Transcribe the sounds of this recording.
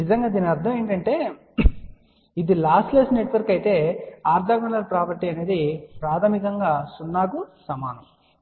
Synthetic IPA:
nizɐŋɡaːd̪iːniɐɾt̪ʰɐmeːɳʈɐɳʈe̞ː | id̪ilaːsʈleːsneʈʋɐɾkɐjt̪e̞ːaːɾd̪ʱaːɡɐnɐlpɾaːpɐɾʈiɐne̞ːd̪ipɾaːt̪ʰɐmikɐŋɡaːsunːaːkusɐmaːnɐm

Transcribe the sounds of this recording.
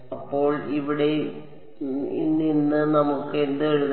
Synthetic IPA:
ɐpːo̞ːɭiʋiɽe̞ | ḭnːinːɨnɐmukːɨend̪ɨeɻuð

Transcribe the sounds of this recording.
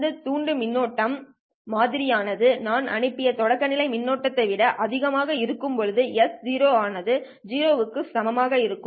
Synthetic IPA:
d̪ɯt̪uːɳɖɯmɪnːoːʈːɐmː | aːðɪɾɪjaːnɐðɯnaːnɐ̰ɳɯpːɪjɐt̪ɔɽɐkːɐnɪlɐɪmɪnːoːʈːɐt̪ːɐɪʋɪɽɐʔɐðɪɣɐmaːɣɐɪɾɯkːɯmpɔɻɯðɯjɛsd͡ʒiːɾoːaːnɐðɯ | d͡ʒiːɾoːʋɯkːɯsɐmɐmaːɣɐɪɾɯkːɯ

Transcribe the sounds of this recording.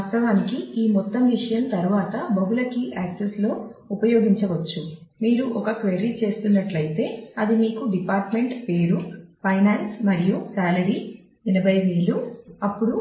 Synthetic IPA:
ʋaːst̪ɐʋaːnikiiːmɔt̪ːɐmʋiʂɐjɐmt̪ɐɾuʋaːt̪ɐbɐbulɐkiʔaːkseslo̞ːupɐjo̞ːɡiɲt͡ʃɐʋɐt͡ʃːumiːɾuʔɔkɐkʋeɾit͡ʃe̞ːst̪unːɐʈlɐjit̪e̞ːɐd̪imiːkuɖipaːɾʈme̞ɳʈpe̞ːɾupʰɐjnaːnsmɐɾijusaːlɐɾiː | inɐbɐjʋiːluɐpːuɽu

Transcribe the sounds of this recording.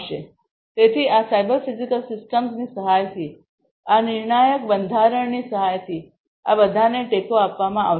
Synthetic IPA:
ʃe | t̪et̪ʰiasajbəɾfizikəlsɪsʈəmsnisəɦajt̪ʰi | anɪɾɳajəkbənd̪ʱaɾəɳnisəɦajt̪ʰi | a̰bəd̪ʱaneʈekoapʋamãʔa̰

